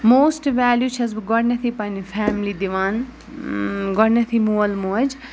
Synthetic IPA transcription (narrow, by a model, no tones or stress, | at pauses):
moːsʈʋɛːljut͡ʃʰɐzɡɔɾnɐt̪ʰipɐnifʰɛːmlid̪iʋaːn | ɡɔnɐt̪ʰimuːɐlmuɐd͡ʒ